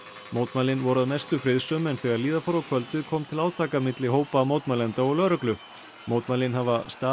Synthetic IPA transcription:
moːwt̪malɪnvɔɾʏaðmɛst̪ʏfɾɪðsœːmɛnθɛɣaɾliːðafɔɾawkʰvœlt̪ɪðkʰɔːmt̪ʰɪlaːwt̪ʰaːkamɪt̪lɪɦoːwpaːmoːwt̪malɛnt̪aɔɣlœːɾʏklʏ | mowt̪malɪnhavast̪aː

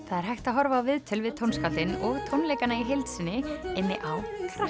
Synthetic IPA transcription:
θaðɛɾ̥ɦajxt̪aɦɔɾvaːvɪðt̪ʰɪlvɪðt̪ʰownskalt̪ɪnɔɣt̪ʰownlejkanaiɦejlt̪sɪnːɪɪnːɪʔawkʰɾa

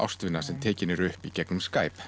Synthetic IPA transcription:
a̰wst̪vɪnasɛmt̪ʰeːcɪnɪɾʏhpicɛknʏmskaːjp

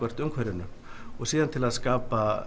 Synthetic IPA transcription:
œr̥t̪ʏŋkʰvɛɾɪnːʏ | ɔɣsiːðant̪ʰɪlaðskaːpa

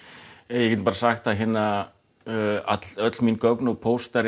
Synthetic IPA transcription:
jɛkcɛt̪paːɾasaxt̪aɦɪnːa | a̰t̪lœt̪l̥minkœknɔɣpʰowst̪aɾ

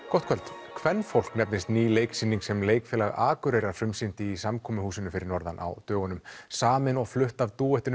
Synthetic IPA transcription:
kɔht̪̚kʰœlt̪ | kʰvɛnːfowl̥knɛpnɪst̪niːlejksinːiŋksɛmleːjkfɪːlaɣa̰ːkʏɾejɾaɾfɾʏmsɪnt̪ɪːsamkʰɔːmʏhuːsɪnʏfɪɾɪɾnɔɾða̰nʔa̰wt̪œːɣɔnʏmsaːmɪnɔɣflʏht̪avt̪uːɛht̪ɪn

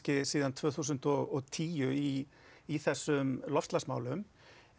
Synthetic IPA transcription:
cɪsiːðant̪ʰvœːθuːs̬ʏnt̪ɔɣɔɣt̪ʰiːjʏi | iθɛsːʏmlɔfst̪lasmaːwlʏm

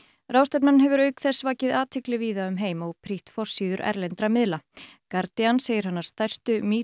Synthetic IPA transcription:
ɾawst̪ɛp̪̚nanɦɛvʏɾœːɥkθɛsːvaːcɪðaːt̪ʰɪklɪviːðaʏmɦeːjmɔɣpʰɾiht̪fɔr̥siːðʏɾɛ̰ɾlɛjnt̪ɾamɪðlakaɾt̪ianseːjɪɾ̥hanːaɾ̥st̪ajr̥st̪ʏmiː

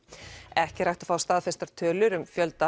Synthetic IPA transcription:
ɛhcɪɾajht̪ḁfaːwst̪aːðfɛst̪aɾ̥t̪ʰœːlʏɾʏmfjœlt̪a

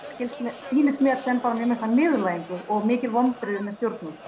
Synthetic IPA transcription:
scɪlsmɛsiːnɪsmjɛɾ̥sɛnfaɾamjɛmɪkt̪amɪːɣʏlaːjɪŋkʏɾɔɣmɪːcɪlvɔmt̪ɾɪðʏmɛðst̪jowɾt̪nʏm

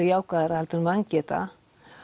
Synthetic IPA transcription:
jawkaɾalt̪ənmaŋkɛt̪a̰

